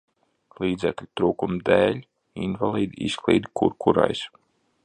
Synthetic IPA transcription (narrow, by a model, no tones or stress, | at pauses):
lˠiːd̪zɛklʲut̪ɾuːkumd̪eːlʲ | invalˠiːd̪iisklˠḭːd̪ikuɾkuɾa̰js